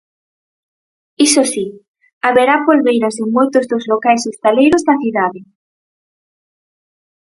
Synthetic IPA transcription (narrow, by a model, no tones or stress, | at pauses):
isosi | aβeɾapolβejɾɐsɪŋmojt̪ʊzðozlokajsest̪alejɾʊzðɐθiðaðɪ